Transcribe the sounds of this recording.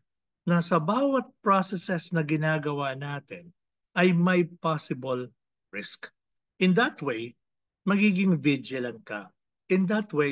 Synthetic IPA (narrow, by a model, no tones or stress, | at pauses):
nɐsɐbaːwɐt̪̚pɹosɛsɛsnɐɡɪnaːɡɐwaːnaːt̪ɪn | ʔɐjmɐjpasɪbɐl | ɹɪsk | ʔɪ̃nd̪ɐt̪wej | mɐɡiːɡɪŋvɪd͡ʒɪlɐnkɐ̰ | ʔɪ̃nd̪ɐt̪we